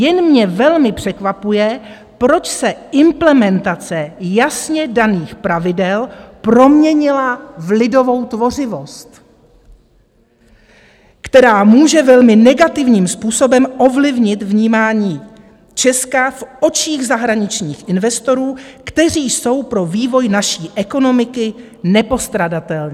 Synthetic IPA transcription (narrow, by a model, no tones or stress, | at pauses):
jɛnmɲɛvɛlmɪpr̝̥ɛkvapujɛ | pɾo̞t͡ʃsɛɪmplɛmɛnt̪at͡sɛjasɲɛdaniːxpɾavɪdɛlpɾo̞mɲɛɲɪlavlɪdo̞vo̞wt̪vo̞r̝ɪvo̞st̪ | kt̪ɛɾaːmuːʒɛvɛlmɪnɛɡat̪ɪvɲiːmspuːso̞bɛmʔo̞vlɪvɲɪt̪vɲiːmaːɲiː | t͡ʃɛskafʔo̞t͡ʃiːɣzaɦɾaɲɪt͡ʃɲiːxʔɪnvɛst̪o̞ɾuːkt̪ɛriːso̞wpɾo̞viːvo̞jnaʃiːʔɛko̞no̞mɪkɪ | nɛpo̞st̪ɾadat̪ɛlɲɛː